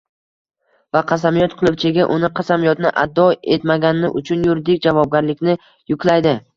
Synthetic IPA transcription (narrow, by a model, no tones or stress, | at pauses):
vaqʰɑs̬amijɒt̪̚qʰʊlˠɪpt͡ʃʰɪɡʲaʔʊnɪqʰɑsamijɒt̪nɪʔad̪ːɒe̞t̪maɡʲanɪnɪʔʊt͡ʃʰʊnjʊɾd̪ɪk̚ʲd͡ʒavɒb̚ɡʲaɾlɪkʲnɪ | jʊkʰʲlajd̪ɪ